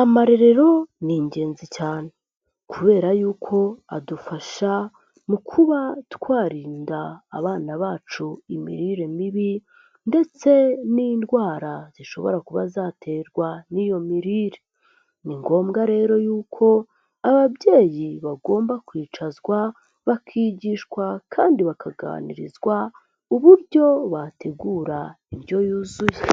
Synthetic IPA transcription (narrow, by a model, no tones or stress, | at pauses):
amaɾeɾe̞ɾo̞niːɲɟe̞ːnzicaːne | kʰuβe̞ːɾajuːkʰo̞a̰dufaʃa | mukʰuβatkwaːɾiːndaːβaːnaβaːt͡ʃuimḭɾiɾe̞miβi | nde̞t͡se̞nindɡwaːɾaz̥iʃo̞βo̞̰ɾakuβa̰zaːtʰe̞ːɾɡwanijo̞miɾiːɾe̥ | niŋɡo̞ːmɡaɾe̞ːɾo̞juːkʰo̞ | aβabɟe̞ːjiβaɡo̞ːmbakwiːt͡ʃazwa | βakʰiːɟiːʃkwakʰaːndiβakʰaɡa̰a̰nḭɾḭzwa | uβuɾɟo̞βatʰe̞ɡuːɾainjo̞juːzuje